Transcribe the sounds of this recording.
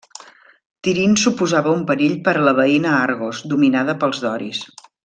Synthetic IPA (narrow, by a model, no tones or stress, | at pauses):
t̪iɾinsupuzaβəumpəɾiʎpəɾələβ̞əinəaɾɣozd̪uminaðəpəlˠzðɔɾḭs